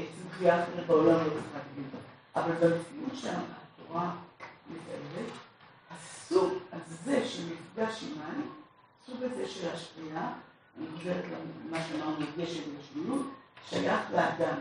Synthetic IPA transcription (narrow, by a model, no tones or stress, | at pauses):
esibχiaːχeʁetbeo̞lamlot͡sχativentaʔavalbabfiʔutʃanatoʁameta̰elet | hasuɡalze̞ʃelmit͡sɡaʃimani | suɡazeʃelaʃpia | aniχoʃevetlanmaʃeamaʁnuaɡeʃetbaʃmijutʃajaχlead̪am